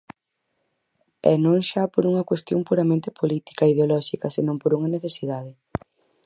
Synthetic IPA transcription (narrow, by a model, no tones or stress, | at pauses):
ɛ̰nõŋʃapoɾuŋɐkwest̪jõŋpuɾɐmẽnt̪e̥pʰolit̪i̥kɐiðeolɔʃikɐsenõmpoɾuŋɐneθesið̞að̞ɪ